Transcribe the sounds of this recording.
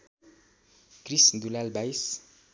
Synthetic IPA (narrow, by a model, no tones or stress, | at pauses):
kɾɪsn̩d̪ulælbæɪs